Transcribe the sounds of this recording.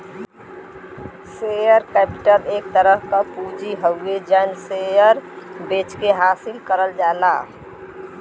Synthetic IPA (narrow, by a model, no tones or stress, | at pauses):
sejəɾkɛːpɪʈəɾeːk̚t̪əɾəɦkapuːd͡ʒiɦəed͡ʒansejəɾbeːt͡ʃkeɦaːsɪlkəɾəld͡ʒaːlaː